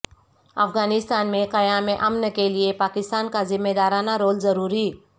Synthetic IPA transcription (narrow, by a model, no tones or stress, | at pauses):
ɐ̰fɡaːnɪst̪aːnmẽqɐjaːmeʔɐmnkeliepaːkɪst̪aːnkazɪmːeːd̪aːɾaːnaɾoːlzɐɾuːɾi